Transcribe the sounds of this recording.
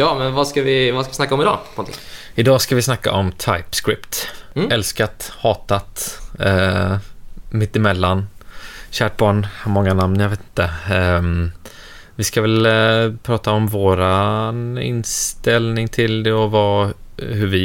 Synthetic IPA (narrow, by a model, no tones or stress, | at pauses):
jɑːmɛnvaskavɪvaskavɪsnakːaɔmɪd̪ɑ̰ːpʰɔnɪ̰ | ɪd̪ɑːskavɪsnakːa̰ʔɔmt̪ʰajpskɾɪpt̪ɛlskat̪hɑːt̪at̪ | mɪt̪ːɪmɛlːanɕæːʈ̚bɑːɳhmɔŋːanamnjaveːt̪ɪnt̪ə | vɪskavɛlpʰɾɑːt̪aɔmvoːɾanɪ̰nst̪ɛlnɪŋt̪ʰɪld̪ɛɔvahɵɾvɪ